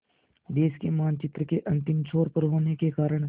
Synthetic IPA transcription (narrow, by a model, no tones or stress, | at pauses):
d̪eːʃkemaːnt͡ʃɪt̪ɾəkeʔɐ̃nt̪ɪmt͡ʃʰoːɾpəɾɦoːnekekaːɾəɽ̃